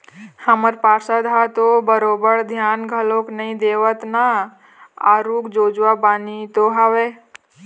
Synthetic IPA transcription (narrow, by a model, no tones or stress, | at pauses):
həməɾpaːɾsad̪ʱat̪obəɾoːbəɾd̪ʱjaːnɡʱəloːknəĩd̪eːʋət̪na | aɾuːkd͡ʒoːd͡ʒʋabaːnit̪oɦaʋe